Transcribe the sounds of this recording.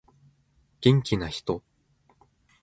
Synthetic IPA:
ɡ̥ẽ̞ŋkʲinaçi̥t̪o̞

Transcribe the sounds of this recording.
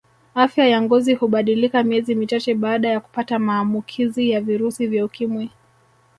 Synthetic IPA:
afjajaŋɡɔzihuɓaɗilikamiɛzimit͡ʃat͡ʃɛɓaːɗajaku̥patamaːmbukʰizijaviɾusivjaukimwɛ

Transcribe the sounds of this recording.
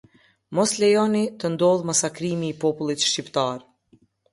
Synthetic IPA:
mɔslɛjɔnit̪ənd̪ɔlˠmasakɾimiːpɔpulˠit̪ʃcipt̪aɾ

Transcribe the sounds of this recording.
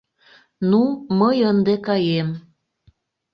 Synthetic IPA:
numəjənd̪ekɑjem

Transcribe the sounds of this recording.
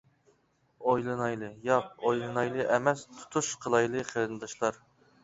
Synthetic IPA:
ojlˠɨnɑjlˠɨjɑq̚ojlˠɨnɑjlˠɨʔɛmɛst̪ʰu̥t̪ʰuʃqʰəlˠɑjlˠɨqʰəɾɨnɨd̪ɑʃlˠɑɾ

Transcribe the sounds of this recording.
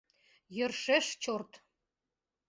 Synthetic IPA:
jɤ̆rʃeʃt͡ɕort̪

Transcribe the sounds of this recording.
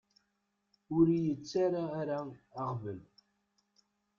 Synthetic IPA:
ʊɾijət͡sːaɾaːɾaɑqvəl

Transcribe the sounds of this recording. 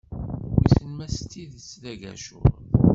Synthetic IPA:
wḭsəlmæst̪ːiðt͡sːlæʝæ̰ʃʊ̰

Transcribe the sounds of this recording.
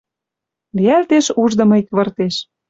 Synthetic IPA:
liælt̪eʃuʒd̪ɤ̆mɤ̆ikβɤ̆rt̪eʃ

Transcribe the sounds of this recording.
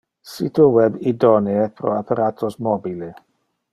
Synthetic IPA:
situwɛbidɔniepʰɾɔ̰apʰaɾatʰɔsmɔbile

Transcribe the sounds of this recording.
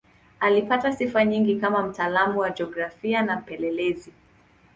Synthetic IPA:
alipatasifaɲiŋɡikamam̩taːlamuwad͡ʒɔɡɾafianam̩pɛlɛlɛzi

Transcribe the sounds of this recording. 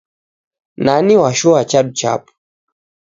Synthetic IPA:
naniwaʃuat͡ʃaɗut͡ʃa̰pu̥

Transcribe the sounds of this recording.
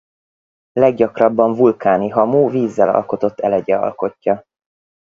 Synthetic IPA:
lɛɡ̚ɟɒkrɒbːɒɱvulkaːniɦɒmuːviːzːɛlɒ̰lko̞t̪o̞t̪ːɛlɛɟɛɒ̰lko̞cːɒ

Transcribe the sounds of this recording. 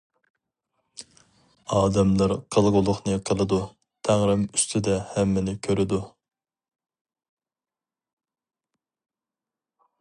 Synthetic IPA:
ɑːd̪ɛmlˠɑɾqʰəlˠʁʊlˠʊχnɨqʰəlˠɨd̪u | t̪ʰæŋɾɪmyst̪ʰɪd̪ɛhɛmːɪnɪkʲʰøɾɪd̪u

